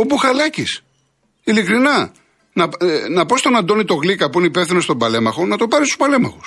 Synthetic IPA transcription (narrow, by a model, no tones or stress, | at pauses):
o̞puxɐlɐcis | ilikɾinɐ | nɐnɐpo̞st̪o̞nɐnd̪o̞nit̪o̞ɣlikɐpuineipe̞fθinost̪o̞bɐle̞mɐxo̞nɐt̪opɐɾist̪u̥spɐle̞mɐxu̥s